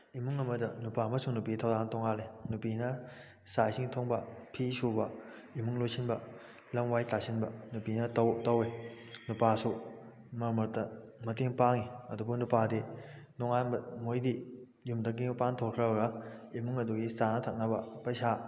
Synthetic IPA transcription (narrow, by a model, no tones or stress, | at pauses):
imuŋɐmɐdɐnupamɐsuŋnupitʰɐwzantɔŋalenupinɐ | sajsiŋtʰoŋbɐpʰisubɐ | imuŋlojsʰinbɐ | lɐmwajtasinbɐ̰nupinɐtɐwtɐwenupasu | mɐɾmɐɾtɐ | mɐteŋpaŋiɐdubunupadi | nɔŋaɐmojdi | jumdɐk̬ːimɐpantʰoɾkʰɾɐbɐɡɐimuŋɐduɡisanɐtʰɐk̚nɐbɐpɐjsa